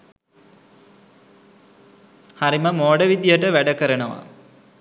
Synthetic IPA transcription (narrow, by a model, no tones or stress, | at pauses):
haɾiməmoːɖəʋid̪jəʈəʋæɖəkəɾənəʋa̰